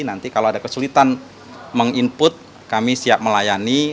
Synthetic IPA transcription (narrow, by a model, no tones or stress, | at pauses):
nant̪ikaloadakəsulit̪an | məŋimpʊt̪̚ | kamisiap̚məlajani